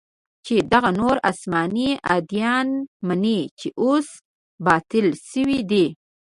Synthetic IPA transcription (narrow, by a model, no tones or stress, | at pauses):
t͡ʃed̪aɣanoɾa̰smɑnia̰d̪jɑnmanit͡ʃeʔos | bɑt̪ɪlʃəwid̪i